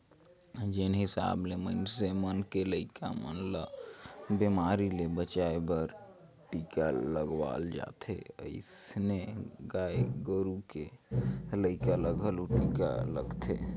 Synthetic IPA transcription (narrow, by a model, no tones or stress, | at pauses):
d͡ʒenɦisa̰blemənsemənkeləɪkamə̰nlə | bemaɾilebət͡ʃaebəɾ | ʈikaləɡʋa̰ld͡ʒa̰t̪ʰḛə̰ɪsneɡaeɡəɾuke | ləɪkaləɡʱəluʈika̰ləɡt̪ʰḛ